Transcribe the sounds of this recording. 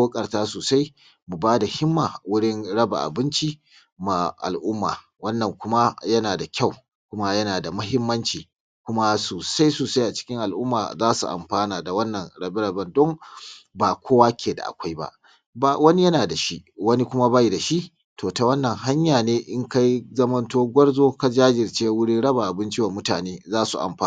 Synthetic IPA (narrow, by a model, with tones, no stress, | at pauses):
oː˦kʼɐ˨rtaː˦soː˨sa˦j | mu˨baː˦da˨hɪ˦mːaː˨wʊ˦ɽɪ˦nɽɐ˦ba̰˨ʔa̰˨bɪ˦nt͡ʃi˦ | ma˨ʔa̰˨lʔʊ˦mːa̰ː˨ | wɐ˦nːɐ˨ŋkʷʊ˦ma˦jɐ˦naː˨da˨kʲa˦˨w | kʷʊ˦ma˦jɐ˦naː˨da˨mɐ˦ɦɪ˦mːɐ˦nt͡ʃiː˨ | kʷʊ˦ma˦soː˨sa˦jsoː˨sa˦jʔa˨t͡ʃɪ̥˦kʲɪ˦ŋʔa˨lʔʊ˦mːa̰ː˨zaː˦sṵ˨ʔa̰˨mɸaː˦naː˨da˨wɐ˦nːɐ˨nɽɐ˨bɪ˦ɽɐ˨bɐ˦ndɔ˦ŋbaː˨kʷoː˦waː˦kʲʰeː˨da̰˨ʔa̰˨kʷa˦jba̰˦ʔ | ba˦wɐ˦ni˦jɐ˦naː˨da˨ʃi˦ʔwɐ˦ni˦kʷʊ˦ma˦ba˦ji˨da˨ʃi˦ʔ | toː˨ta˨wɐ˦nːɐ˨ŋɦa˦ɲjaː˨neː˦ʔɪ˦ŋka˦jzɐ˦mɐ˦ntoː˦ɡʷɐ˦ɽzoː˦ka˦d͡ʒaː˦d͡ʒɪ˨rt͡ʃeː˦wʊ˦ɽɪ˦ɽɐ˦ba˨ʔa˨bɪ˦nt͡ʃi˦wa˨mʊ˦taː˨neː˦zaː˦su˨ʔa̰˨mɸaː˦˨